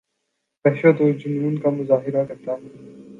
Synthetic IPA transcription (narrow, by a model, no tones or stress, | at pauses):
pɛɦʃət̪od͡ʒʊnuːnkamʊzaːɦɪɾakɐɾt̪aɦɛː